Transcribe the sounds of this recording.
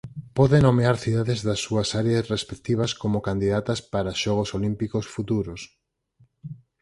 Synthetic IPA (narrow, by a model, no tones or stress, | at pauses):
pɔðenomeaɾθiðaðɪzðɐsːuɐsaɾeɐsrespekt̪iβ̞ɐskomokand̪iðat̪ɐspaɾaʃɔɣ̞osolimpikosfut̪uɾos